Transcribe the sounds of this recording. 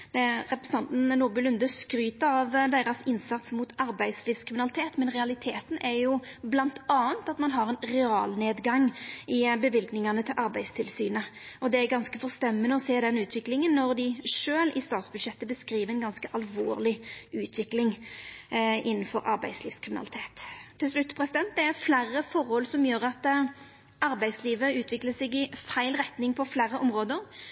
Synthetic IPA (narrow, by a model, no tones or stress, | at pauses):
ʁɛpɾɛs̩ɑnt̪n̩nuːʁbʉlʉnd̪əskɾyːt̪əɑʋd̪eːɾɑsɪnsɑt̪smuːt̪ʰɑɾbæɪd̪sliːfskʰʁɪmɪnɑlɪt̪ʰeːt̪mɛnʁɛɑlɪt̪ʰeːt̪n̩ʔæɾjʊblɑnt̪ɑːənt̪ɑt̪mɑnɦɑɾɛnɾɛɑːlneːd̪ɡɑŋːɪbəʋɪlɡnɪŋɑnət̪ʰɪlʔɑɾbæɪd̪st̪ʰɪlsyːnəʔɔd̪ɛæɾɡɑnskəfɔʁst̪ɛmːənəɔseːd̪ɛnʉːt̪ʰʋɪklɪŋənːɔʁd̪ɪʂøːlɪst̪ɑːt̪sbʉd̪ʂɛt̪ːəbəskɾiːʋəɾɛɪnɡɑnskəʔɑlʋo̰ːʁlɪʉːt̪ʰʋɪklɪŋ | ʔɪnːn̩fɔɾɑɾbæɪd̪sliːfskʰʁɪmɪnɑ̰lɪt̪ʰeːt̪ʰːɪls̬lʉt̪ːpʰɾɛsɪd̪ɛnt̪̚d̪ɛæʁflærəfɔʁhɔlsɔmjøːʁɑt̪ | ʔɑɾbæɪd̪sliːʋəʉːt̪ʰʋɪkləsɛɡɪfæɪlɾɛt̪nɪŋpʰɔflæːɾəʔɔmʁoːd̪əɾ